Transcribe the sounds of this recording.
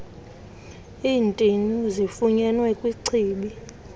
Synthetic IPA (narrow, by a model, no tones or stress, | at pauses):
iːntʼinuzifuɲɛnwɛkʼwiǀʰiːɓi